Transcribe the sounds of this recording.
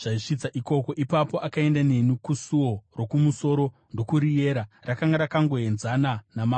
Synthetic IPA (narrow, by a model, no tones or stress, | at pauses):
ʐ̥aiʂit͡saʔiko̞ko̞ʔipapo̞ʔakae̞ndane̞nukusuwo̞ro̞kumuso̞ɾo̞ | ndo̞kuɾije̞ːɾarakaŋɡaɾakaŋɡo̞e̞nzananama